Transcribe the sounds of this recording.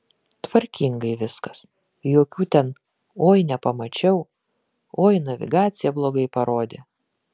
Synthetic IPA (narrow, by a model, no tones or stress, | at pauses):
t̪ʋɐɾʲkʲɪŋɡɐɪʋʲɪskɐs | joːkʲuːt̪ʲɛn | oːjnʲɛpɐmɐt͡ʃʲɛʊ | oːjnɐʋʲɪ̰ɡɑːt̪sʲɪjɛblˠoːɡɐɪpɐɾoːd̪ʲeː